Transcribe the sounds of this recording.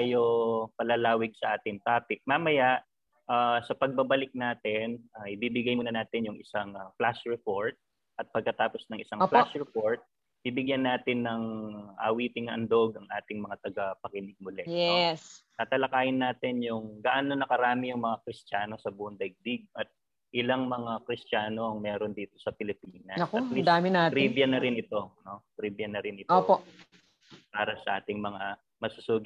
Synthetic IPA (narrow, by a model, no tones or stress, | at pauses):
jopɐlɐlaːwɪɡ̚sɐʔaːt̪ɪŋt̪aːpɪk̚maːmɐjaʔ | ʔaːsɐpɐɡ̚bɐbɐlɪk̚naːt̪ɪnʔaʔɪbiːbɪɡɐjmuːnɐnaːt̪ɪnjʊŋɪsaŋɐplasɹɛpoɹt̪̚ | ʔɐt̪̚pɐɡ̚kɐt̪aːpo̞snɐŋʔɪsaŋflasɹɛpoɹt̪̚ | ibɪɡjɐnːaːt̪ɪnːɐŋʔa̰wiːt̪ɪŋʔɐ̰nd̪o̞ɡɐŋʔaːt̪ɪŋmɐŋat̪ɐɡɐpɐkɪnɪɡ̚mʊlɛjɛst̪at̪ɐlɐkaːjɪnːaːt̪ɪnjʊŋɡaʔaːnonɐkɐɾaːmɪjʊŋmɐŋakɾɪst͡ʃaːno̞sɐbund̪ɐjɡ̚d̪ɪɡ̚ʔɐt̪̚ | ʔɪlɐŋmɐŋakɾɪst͡ʃaːno̞ʔɐŋmɛːɾo̞nd̪iːt̪o̞sɐpɪlɪpiːnɐɐkɐt̪lisd̪aːmɪnaːɾibjɐnɐɾɪnɪt̪o̞no̞tɾiːbjɐnɐɾɪnɪt̪opo | paːɾɐsɐʔa̰ːt̪ɪŋmɐŋa | mɐɡ̚sʊsuːɡ